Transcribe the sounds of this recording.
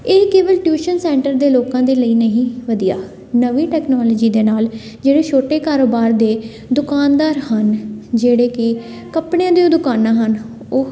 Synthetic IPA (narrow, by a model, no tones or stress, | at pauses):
eːkeːʋəlʈjuːʃənsɛ̃ːɳʈəɾd̪eːloːkãːd̪eːləiːnəɦĩːʋəd̪ijaː | nəʋiːʈɛːknaːlːd͡ʒiːd̪eːnaːl | d͡ʒeːɽeːʃʰoːʈeːkaːɾoːbaːɾd̪eː | d̪ʊkaːnd̪aːɾhənd͡ʒeːɽeːkɪ | kəpɽẽãːd̪eoːd̪ʊkaːnãːɦən | oː